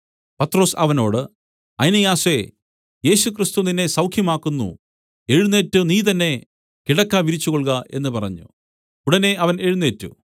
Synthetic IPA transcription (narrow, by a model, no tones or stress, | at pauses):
pɐt̪ːro̞ːsɐʋɐno̞ːɽɨ | ɐjnɐjaːse̞ | je̞ːɕukrist̪uninːesɐwkʰjɐmaːkːunːṵ | e̞ɻunːe̞ːtːɨniːt̪̬ɐnːe̞ | kiɽɐkːaːʋiɾit͡ɕːukoɭɣɐʔe̞nːɨpɐrɐ̰ɲːṵ | uɽɐne̞ɐʋɐne̞ɻunːeːtːṵ